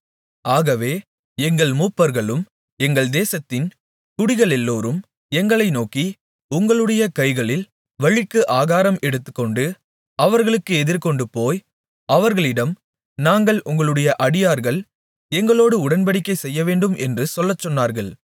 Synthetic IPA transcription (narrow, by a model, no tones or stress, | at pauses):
ʔaːɣɐʋeː | ɛŋɡɐɭmuːpːɐɾɣɐɭɯm | ɛŋɡɐɭd̪eːsɐt̪ːɪn | t̪ʊɽɪɣɐɭɛlːoːɾɯm | ɛŋɡɐɭɐɪnoːki | ʊŋɡɐɭɯɽɐjɐkɐɪɣɐɭɪl | ʋɐɻɪkːɯʔaːɣaːɾɐmɛɽɯt̪ːɯkːɔɳɖɯ | ɐʋɐɾɣɐɭɯkːɯɛðɪɾkɔɳɖɯpoːj | ɐʋɐɾɣɐɭɪɽɐm | naːŋɡɐɭʔʊŋɡɐɭɯɽɐjɐʔɐɽɪjaːɾɣɐɭ | ɛŋɡɐɭoːɽɯʊɽɐnpɐɽɪkːɐɪsɛjːɐʋeːɳɖɯmʔɛndrɯsɔlːɐt͡ʃːɔnːaːɾɣɐɭ